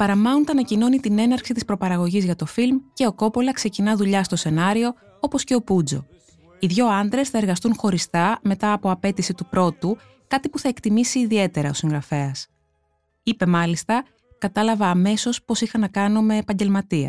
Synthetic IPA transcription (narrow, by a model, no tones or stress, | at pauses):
pɐɾɐmɐnunt̪ɐnɐcino̞nit̪ine̞nɐɾksit̪ispɾo̞pɐɾɐɣo̞ʝizʝɐt̪o̞filmce̞o̞ko̞po̞lɐkse̞cinɐðuʎɐst̪o̞se̞nɐɾio̞ | o̞po̞sce̞o̞pud͡zo̞̰ | iðʝo̞ɐnd̪ɾe̞sθɐeɾɣɐst̪unxo̞ɾist̪ɐme̞t̪ɐːpo̞ɐpe̞t̪isit̪upɾo̞t̪u | kɐt̪ipuθɐe̞kt̪imisiːðie̞t̪e̞ɾɐo̞siŋɣɾɐfe̞ɐs | ipe̞mɐlist̪ɐ | kɐt̪ɐlɐvɐːme̞so̞spo̞sixɐnɐkɐno̞me̞ːpɐɲɟe̞lmɐt̪iɐ̰